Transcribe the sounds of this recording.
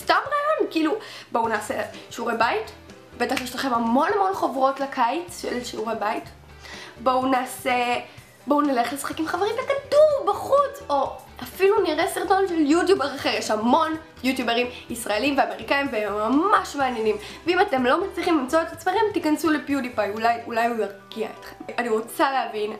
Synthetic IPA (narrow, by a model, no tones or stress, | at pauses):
stamʁaːjo̞nkiilubounaːse̞ʃuʁebait | betaχliʃtaχemhamo̞namo̞nχovʁo̞tlakʰajt͡sʃḛlʃuʁebait | bounaːse | bounaleχlesḁχakimχaveʁimbekadumbaχut͡so̞ | afiluniʁesiʁto̞nʃeljutjubaʁaχeʁjeʃhamo̞n | jutjubeʁimisʁaelimveame̞ʁikajimveemːamaʃmeanjenimveimate̞mlo̞mat͡sliχimlimt͡soetat͡smeʁimtikansulepjudipajulajulajulaʁɡia̰etχemaniʁot͡saleavin